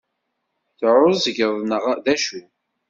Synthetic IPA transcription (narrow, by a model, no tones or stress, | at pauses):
θʕʊzəɡəðˤnəʁðæʃu